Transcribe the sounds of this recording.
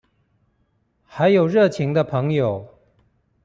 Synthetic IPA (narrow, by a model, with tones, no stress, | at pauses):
xa˧˥ɪjo˨˩ʊɻɤ˥˩t͡ɕʰi˧˥ŋd̪ə˧pʰɤ˧˥ŋjo˨˩ʊ